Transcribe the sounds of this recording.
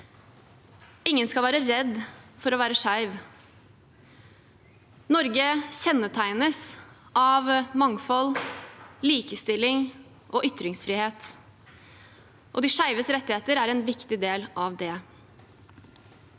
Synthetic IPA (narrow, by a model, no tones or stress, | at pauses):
ɪŋːənskɑlʋæːɾəɾɛd̪fɔɾɔːʋæːɾəʂæɪʋ | nɔɾɡəçɛnːət̪ʰæɪnəsʔɑʋmɑŋfɔl | liːkəst̪ɪlːɪŋ | ʔoːʔʏt̪ɾɪŋsfɾɪːheːt̪ | ʔɔd̪iːʂæɪʋəsɾɛt̪ːɪheːt̪əɾæɾɛnʋɪkt̪ɪd̪eːlʔɑʋd̪ɛ